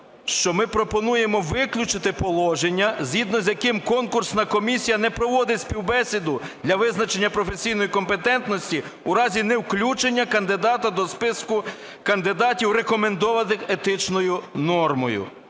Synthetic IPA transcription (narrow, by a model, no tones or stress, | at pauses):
ʃt͡ʃɔmɪpɾɔpɔnuje̞mɔʋɪklʲut͡ʃɪt̪ɪpɔlˠɔʒenʲːɐzʲɦʲid̪nɔzʲjɐkɪmkɔnkʊrsnɐkɔmʲisʲijɐnɛpɾɔʋɔd̪ɪsʲpʲiwbɛsʲid̪ʊd̪lʲɐʋɪznɐt͡ʃenʲːɐpɾɔfesʲijnɔjikɔmpe̞t̪ɛnt̪nɔsʲtʲi | uɾɑzʲinɛwklʲut͡ʃenʲːɐkɐnd̪ɪd̪ɑt̪ɐd̪ɔspɪskʊ | kɐnd̪ɪd̪ɑtʲiwɾe̞kɔme̞nd̪ɔʋɐt̪ɪxet̪ɪt͡ʃnɔjʊnɔrmɔjʊ̰